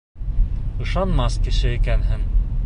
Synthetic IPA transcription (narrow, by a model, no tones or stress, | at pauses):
ɤ̆ʃɑnmɑskɘ̆ʃɘikænɦɘŋ